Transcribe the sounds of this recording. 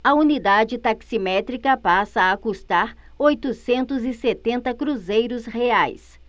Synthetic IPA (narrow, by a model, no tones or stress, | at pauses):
ɐunid̪ad͡ʒɪt̪aksimɛt̪ɾikɐpasɐːkust̪aɾ | ojt̪ʊsẽnt̪ʊzɪset̪ẽnt̪ɐkɾuzejɾʊsheajs